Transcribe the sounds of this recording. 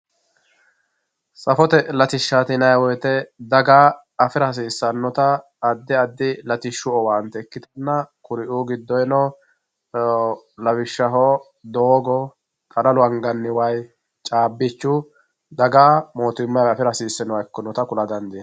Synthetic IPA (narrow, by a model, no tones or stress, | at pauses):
sʼɐfɔt̪ɛlɐt̪ɪʃːat̪ɪnɐjwɔjt̪ɛd̪ɐɡaː | ɐfɪɾɐɐs̬iːsːɐnːɔt̪ɐː | d̪ːɪɐd̪ːɪlɐt̪ɪʃːʊɔwant̪ɛɛkːɪt̪ɐnːɐkʊɾɪʔuːɡɪd̪ːɔjnɔ | lɐbɪʃːɐɦoː | d̪oːɡɔ | kʼɐlɐlʊɐŋɡɐnːɪwɐj | t͡ʃʼaːbːɪt͡ʃːʊ | d̪ɐɡaːmoːt̪ɪmːɐjɐfɪɾɐsiːsːɛnɔwɐkːɔnɔt̪ɐkʊlɐd̪ɐnd̪ɪ